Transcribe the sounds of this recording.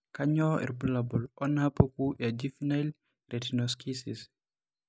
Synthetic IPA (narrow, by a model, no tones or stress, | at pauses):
kaɲɔḭɾbulabɔlʔɔnapəkujad͡ʒifinajl | ɾetinɔskʰisis